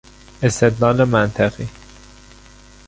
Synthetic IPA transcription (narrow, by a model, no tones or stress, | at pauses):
est̪ed̪lɒːlemænt̪ʰæɣi